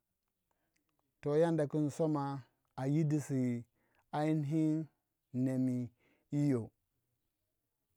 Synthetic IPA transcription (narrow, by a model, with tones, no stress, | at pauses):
to˨ja˦nda˨ki˦nso˦ma˨ | a˨ji˦di˨si˨ | a˦i˦nɦi˦n | ne˨mi˨ | i˦jo˨